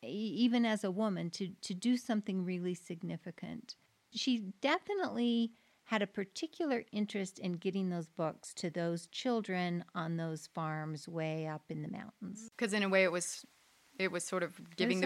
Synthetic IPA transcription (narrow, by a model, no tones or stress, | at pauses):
ivɨ̃nɨzəwʊmɨ̃ntʰɨtʰɨdɨsʌ̃mθɪ̃ŋɹɪlˠisɨɡ̚nɪfɨkɨ̰̃nt | ʃidɛfɨnəʔli | ɨɾɨpʰə˞tʰɪkʰjl̩ˠə˞ʔɪ̃nt͡ʃɹ̥ɨstɨ̃nɡɛɾɪ̃ŋðoʊzbʊkstʰɨðoʊz̥t͡ʃʰɪlˠdɹɨ̃nə̃nðoʊz̥fɑɹmzweɪʌpɨ̃nðɨmã̰ʊ̃nʔn̩z̥kʰʌzɨ̃ñɨweɪɨt̚wʌz̥ | ɪt̚wʌz̥sɔɹɾʌvɡɪvɪ̃ŋðɨ